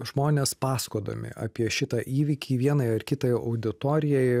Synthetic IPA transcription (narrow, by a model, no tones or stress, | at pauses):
ʒmoːnʲeːspɑːskoːd̪ɐ̰mʲɪ̰ʔɑ̰ːpʲiɛʃʲɪt̪ɑʔiːʋʲiːkʲiːʋʲiɛnɐjɐrkʲɪt̪ɐjɐʊd̪ʲɪt̪oːɾʲɪjɛɪ